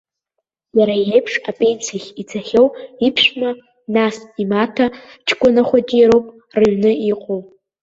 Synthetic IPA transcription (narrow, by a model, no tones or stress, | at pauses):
jaɾajejpʰʂapʼent͡sʰaχʲit͡sʰaχʲowipʰʃʷᶣma | nasimatʰa | t͡ʃʰkʷʼanaχʷad͡ʒʲʼeɾowpʼ | rɨɥnɨiqʼow